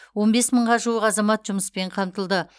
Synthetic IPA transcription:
wo̞nbe̞sməɴʁɑʒuəqɑzɑmɑt̪ʒʊməspe̞ɴqʰɑmt̪əlˠd̪ə

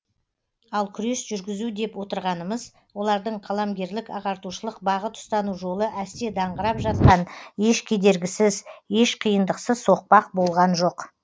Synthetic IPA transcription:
ɑlˠkʲʰʏɾe̞sʒʏɾɡʲɪzud̪e̞pwo̞t̪əɾʁɑnəməz | wo̞lˠɑɾd̪əɴqʰɑlˠɑmɡʲe̞ɾlɪkɑʁɑɾt̪uʃəlˠəq̚bɑʁət̪ʰʊ̥st̪ɑnuʒo̞lˠəʔæst̪e̞d̪ɑɴʁəɾɑpʒɑt̪̚qɑneʃkʲʰed̪e̞ɾɡʲɪsɪzje̞ʃqʰijənd̪əqsəzso̞q̚pɑq̚bo̞lˠʁɑnʒo̞q

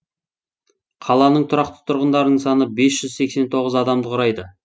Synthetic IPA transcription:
qʰɑlˠɑnəɴt̪ʰʊɾɑqt̪ə̥t̪ʰʊɾʁənd̪ɑɾənəɴsɑnəbe̞sʒ̥ʏzse̞kse̞nt̪ʰo̞ʁəzɑd̪ɑmd̪əqʰʊɾɑjd̪ə

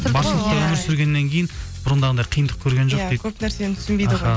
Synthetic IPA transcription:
bɑɾʃəlˠəq̚t̪ɑwɵmɪɾsʏɾɡʲe̞nːeŋkʲʰejɪnb̥ʊɾənd̪ɑʁənd̪ɑjqʰijənd̪əq̚kʲʰɵɾɡʲe̞nʒoqd̪ekʰʲɵpnæɾsent̪ʰʏ̥snbejd̪əʁɑ

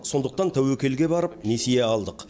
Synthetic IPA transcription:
so̞nd̪əq̚t̪ɑnt̪ʰæwekʲe̞lɡʲe̞bɑɾəp̚nesijeɑlˠd̪əq

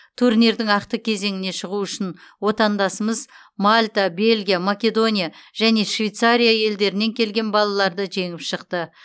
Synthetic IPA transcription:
t̪ʰuɾniɾd̪ɪŋɑqt̪əkʲʰe̞ze̞ŋɪne̞ʃəʁuʏʃɪnwo̞t̪ɑnd̪ɑsəməz | malʲt̪abe̞lʲɡʲijamakʲe̞d̪o̞nʲijaʒ̥æne̞ʃvʲejt̪saɾʲijaje̞ld̪e̞ɾɪne̞ŋkʲʰe̞lɡʲe̞nbɑlˠɑlˠɑɾd̪əʒe̞ŋɪpʃəqt̪ə

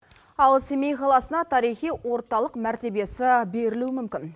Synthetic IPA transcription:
ɑlˠsemejqʰɑlˠɑsənɑt̪ʰɑɾijχijwo̞ɾt̪ɑlˠəqmæɾt̪e̞be̞sɪbe̞ɾɪluɪmʏmkʲɪn

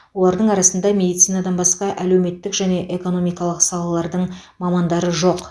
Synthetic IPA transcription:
wo̞lˠɑɾd̪əɴɑɾɑsənd̪ɑmʲe̞d̪it̪sijnɑd̪ɑnbɑsqɑʔælewme̞t̪ːɪkʒæne̞ʔe̞ko̞no̞mijkɑlˠəqsɑlˠɑlˠɑɾd̪əɴmɑmɑnd̪ɑɾəʒo̞q

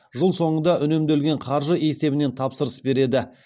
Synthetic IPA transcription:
ʒəlˠso̞ɴənd̪ɑʔʏne̞md̪e̞lɡʲe̞ɴqʰɑɾʒəe̞se̞bɪne̞nt̪ʰɑpsəɾəsbe̞ɾe̞d̪ɪ

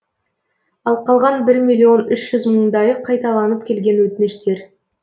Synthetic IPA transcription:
ɑlˠqʰɑlˠʁɑnbɪɾmʲijlʲːio̞nʏʃʒ̥ʏzməɴd̪ɑjəqʰːɑjt̪ɑlˠɑnəp̚kʲʰe̞lɡʲe̞nwɵt̪ɪneʃt̪e̞ɾ

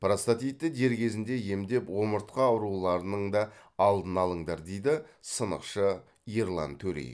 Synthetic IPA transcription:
prost̪at̪ijt̪ːɪd̪e̞ɾkʲʰe̞zɪnd̪e̞je̞md̪e̞pwo̞məɾt̪qɑʊɾulˠɑɾənəɴd̪ɑːlˠd̪ənɑlˠəɴd̪ɑɾd̪e̞jd̪ɪsənə̰qʃə | jeɾlˠɑ̰nt̪ʰɵɾḛj

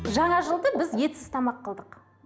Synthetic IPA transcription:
ʒɑɴɑʒəlˠd̪əbɪzje̞t̪sɪz̥t̪ʰɑmɑqːəlˠd̪əq

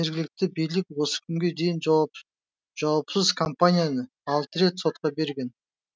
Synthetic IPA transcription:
eɾɡʲɪlɪk̚t̪ɪbijlɪkʲwo̞sə̥kʲʰʏmɡʲe̞d̪e̞jɪn | ʒ̥ɑwpsəzkʰompanʲijanə | ɑlˠt̪əɾe̞t̪so̞t̪̚qɑbe̞ɾɡʲe̞n

